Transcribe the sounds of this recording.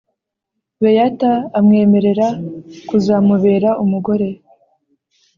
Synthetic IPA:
βejataːmŋe̞ːme̞ɾe̞ɾakuzaːmuβe̞ːɾaʔumuɡo̞ɾe̞

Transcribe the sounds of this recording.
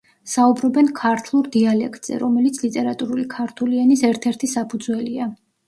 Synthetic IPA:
saubɾɔbɛnkʰaɾt̪ʰlˠuɾd̪ialɛkʰt̪ʼz̥ɛ̰ɾɔmɛlit̪sʰlit̪ʼɛɾat̪ʼuɾulikʰaɾt̪ʰulianisɛɾt̪ʰɛɾt̪ʰisapʰud̪zwɛlia

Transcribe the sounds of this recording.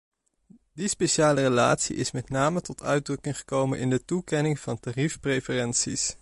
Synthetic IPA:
dispejʃaːlərəla̰ːtsḭʔɪsmɛtnaːmətɔtʰœ̰ɥdrɵkɪŋχə̥kowmənʔɪ̰ndətukɛnɪŋv̥ɑntaːrifprejfərɛnsḭs

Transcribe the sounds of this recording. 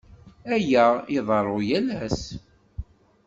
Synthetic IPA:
æjæɪðˤəɾˤojælæs

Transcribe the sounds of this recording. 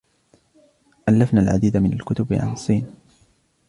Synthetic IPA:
ʔalːafnaːlʕa̰d̪iːd̪amɪnalkʊt̪ʊbʕa̰nsˤːiːn

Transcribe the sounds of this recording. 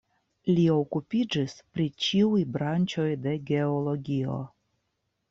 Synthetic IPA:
lio̞kupid͡ʒispɾit͡ʃiujbɾant͡ʃo̞jde̞ɡe̞olo̞ɡʲio̞̰

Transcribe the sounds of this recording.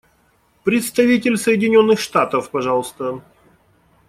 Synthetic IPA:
pɾʲɪt̪st̪ɐvʲitʲɪlʲsəjɪdʲɪnʲo̞nːɨxʂt̪at̪əfpɐʐɑlˠəst̪ə

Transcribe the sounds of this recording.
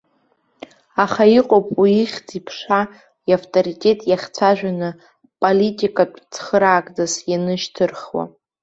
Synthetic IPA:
aχaiqʼopʼwiiχʲd͡zʼipʰʂa | iaftʰʼoɾitʲʼe̞tʼjaχʲt͡sʷʰaʒᶣanɨ | pʼolitʼikʼatʷʼt͡sʰχəɾaːkʼd͡zazjanɨʃtʰɨrχwa̰

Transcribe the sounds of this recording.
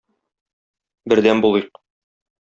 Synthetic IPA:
bɘ̆ɾd̪ænbulˠɤjq̚

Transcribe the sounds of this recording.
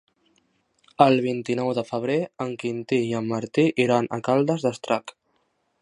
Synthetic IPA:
əlˠβ̞int̪inɔwðəfəβ̞ɾeəŋkint̪iiəmːəɾt̪iʔiɾanʔə̰kalˠd̪əzðəst̪ɾak

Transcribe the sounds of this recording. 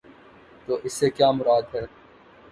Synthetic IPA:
t̪oːʔɪsːekjaːmʊɾaːd̪ɦɛː

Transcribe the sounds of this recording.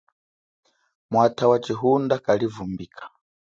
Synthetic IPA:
mwatʰawat͡ʃiɦundakalivumbiːkʰḁ

